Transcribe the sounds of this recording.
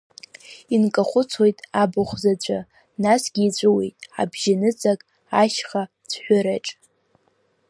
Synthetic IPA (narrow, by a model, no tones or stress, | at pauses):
inkʼaχʷʊt͡sʰojtʼabʊχʷzat͡ɕʷʼa | nasɡʲiːt͡ɕʷʰʼʊwḛjtʼa̰bʒɪnɨt͡sʼakʼ | aʃχa | t͡sʷʰħʷᶣaɾaʈ͡ʂʼ